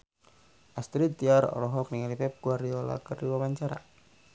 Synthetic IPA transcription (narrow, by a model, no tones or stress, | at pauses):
ʔast̪ɾit̪iaɾɔ̰lɔɦɔk̚niŋalipɛp̚ɡuardiɔla̰kərdiwawaɲt͡ʃaɾa̰